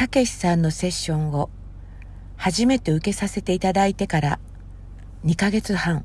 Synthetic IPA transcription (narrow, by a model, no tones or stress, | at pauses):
kake̞ɕi̥sãnːo̞se̞ɕːõ̞ŋɡo̞ | haʑime̞t̪e̞ɯ̟ke̞sase̞t̪e̞it̪ad̪ait̪e̞kaɾa | ɲ̟ikaɡe̞t͡sɨhãŋ